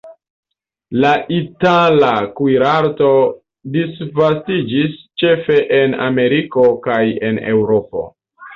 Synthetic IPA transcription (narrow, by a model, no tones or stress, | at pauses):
laʔitalakwiɾaɾto̞ | disvastid͡ʒist͡ʃe̞fe̞ʔena̰me̞ɾiko̞kaje̞ne̞wɾopo̞̰